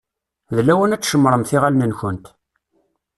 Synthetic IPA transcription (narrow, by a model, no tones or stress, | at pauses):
ðlæwənæt͡sːʃəmːɾˤəmθɪʁalnənçənt̪